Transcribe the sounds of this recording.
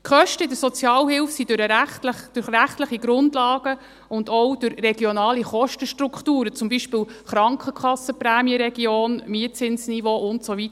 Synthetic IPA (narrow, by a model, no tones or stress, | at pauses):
kʰχœʃtəɪdəɾsɔt͡sjɑːlhɪlfsidʊɾəɾæχtləχd̥ʊχræχtləχiɡ̥ɾʊndlɑːɡ̥ə | ʊndɔwd̥ʊɾrɛɡ̥jonɑːliχɔʃtəʃtrukχtuːɾət͡sʊmbiːʃpɪːlχɾɑŋkχəkχɑsəpræːmiəɾɛɡ̥ioːnmiətt͡sɪnsnivoʔʊntsovit